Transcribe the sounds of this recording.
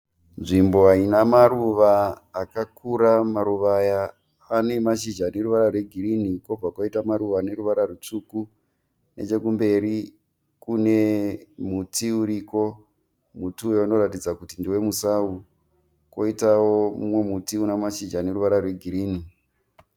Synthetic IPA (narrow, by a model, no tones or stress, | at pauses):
nʐimbo̞ainamaruʋaːkakuɾamaɾuʋajaː | ne̞maʃid͡ʒane̞ɾuʋaɾarwe̞ɡʱiɾinikob͡vakwaitamaɾuʋane̞ɾuʋaɾarut͡ʂuku | ne̞̰t͡ʃe̞kumbe̞ɾi | kune̞mutiuɾiko̞ | mutujouno̞ɾatid͡zakutindiwe̞musau | ko̞itawomṵmwe̞mutiunamaʃid͡ʒane̞ɾuʋaɾarwe̞ɡʱiɾiːni